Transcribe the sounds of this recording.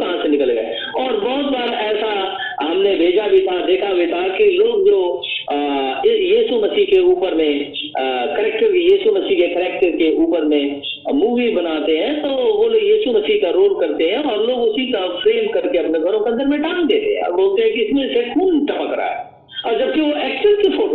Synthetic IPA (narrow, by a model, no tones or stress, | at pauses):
kɐɦãsenɪkəlɡɛ̰ḛ | ɔːɾbɔɦʊt̪baːɾɛːsa | ɦɐmnebʱeːd͡ʒabʱit̪ʰad̪eːkʰabʱit̪ʰakiloːɡd͡ʒo | jiːsumɐsiːɦkeuːpəɾmẽ | kəɾɛːk̚ʈəɾijiːsumɐsiɦkekəɾɛːk̚ʈəɾkeʔuːpəɾmẽ | muːʋibɐnaːt̪eɦɛ̃t̪oʋolojiːsumɐsiɦkaɾoːlkɐɾt̪eɦɛ̃ɔːɾloːɡʊsikafɾeːmkɐɾkeɐpneɡʱɐɾõkeɐ̃nd̪ʱəɾmẽʈaːmd̪eːt̪eɦɛ̰̃boːlt̪eɦɛ̃kiɪsmẽsekʰuːnʈɐpəkɾa̰a̰ɦɛ̰ː | ɔːɾd͡ʒɐb̚kiʋoɛːksəɾkifʰoːʈ